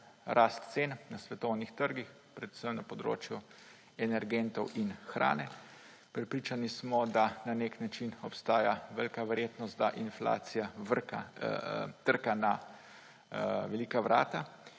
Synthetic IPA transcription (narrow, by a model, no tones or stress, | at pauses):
ɾʔast̪t̪seːnnasʋɛt̪ɔwnixt̪əɾɡix | pɾɛd̪u̥səmnapɔd̪ɾo̰ːt͡ʃju | ɛnɛɾɡent̪ɔwʔinxɾʔa̰ːnɛ | pɾɛpɾit͡ʃanismɔd̪ananeknat͡ʃinɔpst̪aːjaʋɛlkaʋɛɾjeːt̪nɔst̪̚d̪aʔinfla̰ːsijaa | t̪əɾkana | ʋɛliːkaʋɾʔa̰ːt̪a